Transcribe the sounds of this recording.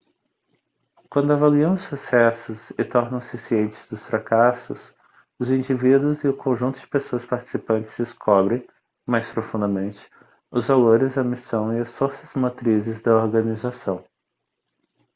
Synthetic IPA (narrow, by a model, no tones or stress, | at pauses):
kwɐ̃nd̪ʊavaliɐ̃w̃ʊsusɛsʊzɪt̪ɔɾnɐ̃w̃sɪsiẽnt͡ʃɪ̥zd̪ʊsfɾakasʊs | ʊzĩd͡ʒivid̪ʊzɪʊkõʒũt̪ʊd͡ʒɪpesoɐspaɾt͡ʃi̥sipɐ̃nt͡ʃɪ̥z̥d͡ʒɪskʰɔbɾẽj̃ | majspɾofũnd̪ɐmẽnt͡ʃɪ̥ | ʊzvaloɾɪzd̪ɐmisɐ̃w̃ɪɐsfoɾsɐzmat̪ɾizɪzd̪ɐoɾɡɐ̃nizasɐ̃w̃